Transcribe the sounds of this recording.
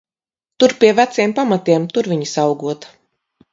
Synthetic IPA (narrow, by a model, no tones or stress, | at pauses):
t̪uɾpʲiɛvæt̪siɛmpamat̪iɛmt̪uɾviɲisawɡuɔt̪